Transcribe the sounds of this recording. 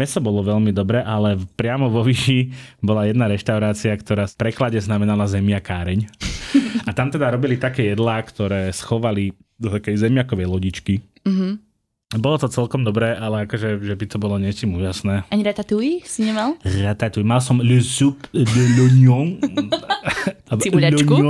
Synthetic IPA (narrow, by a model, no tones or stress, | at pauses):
mɛsɔbɔlɔʋɛʎmid̪ɔbɾɛːʔalɛpɾɪamɔʋɔʋiːʃibɔlajɛd̪naɾɛʃt̪aʊɾaːt͡siakt̪ɔɾaːpɾɛklaɟɛznamɛnalazɛmiakaːɾɛɲ | at̪amt̪ɛd̪aɾɔbilit̪akɛːjɛd̪laːkt̪ɔɾɛːsxɔʋali | d̪ɔt̪akɛjzɛmjakɔʋɛjlɔɟit͡ʃki | ɦ̩ | bɔlɔt̪ɔt͡sɛlkɔmd̪ɔbɾɛːʔalɛakɔʒɛʒɛbit̪ɔbɔlɔɲɛt͡ʃimuːʒasnɛːaɲiɾat̪at̪uisiɲɛmalˠɾat̪at̪uimalsɔmlsuplɔɲɔ | iʎaɔɲu